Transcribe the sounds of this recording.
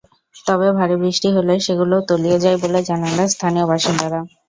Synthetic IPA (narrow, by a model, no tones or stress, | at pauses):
t̪ɔβebʱaɾibɾiʃʈiɦoleʃeɡuloot̪olijed͡ʑajboled͡ʑanalest̪ʰaniobaʃind̪aɾa